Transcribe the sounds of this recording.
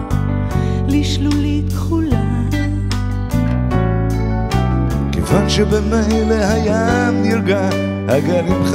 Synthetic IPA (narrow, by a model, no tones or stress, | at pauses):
liʃlulit̪χula | kʰevanʃebemejlehajamniɾɡa | haɡalimχ